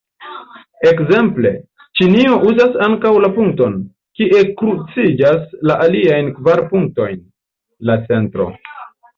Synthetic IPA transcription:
e̞kze̞mple̞̰ | t͡ʃinio̞ʔuzasaŋkawlapuŋk̚to̞n | kiʔe̞kɾut͡sid͡ʒaslaʔaliajnkvaɾpuŋk̚to̞jn | lat͡se̞ntɾo̞̰

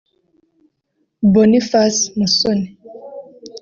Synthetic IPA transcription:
bɔnifasmusɔni

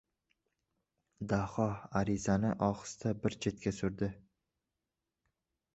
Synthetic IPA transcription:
d̪ahɒaɾɪzanɪʔɒχɨ̥st̪ʰabɪɾt͡ʃʰe̞t̪kʲasʊɾd̪ɪ

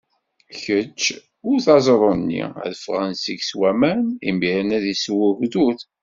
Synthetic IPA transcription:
çət͡ʃː | ʊɾθɑzˤɾˤonːḭæ̰ðəfʁənsiɡswæmænḭmbiɾnæðiswəɣðuθ

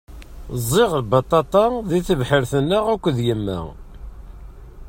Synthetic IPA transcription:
zˤːɪʁlbɑt̪ˤːɑt̪ˤɑðiθəvħəɾθənːəʁækʷːðjəmːæ̰

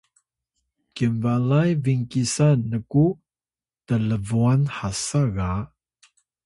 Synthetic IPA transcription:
kiɱvalajviŋkisanəku | tələvuanhasaɣa

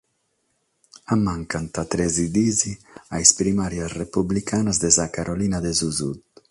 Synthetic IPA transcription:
amːaŋkant̪at̪ɾezid̪iziajspɾimaɾjasrepublikʰanazd̪ezakaɾʔolinad̪ezuzut̪

